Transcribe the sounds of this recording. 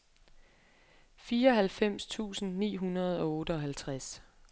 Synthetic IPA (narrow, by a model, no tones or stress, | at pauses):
fiːɐɒɦælfem̰st͡sʰṵːsn̩nḭːɦunɐð̞̩ˠɒ̽ɔːɾ̥əɒ̽ɦælt͡sʰʁas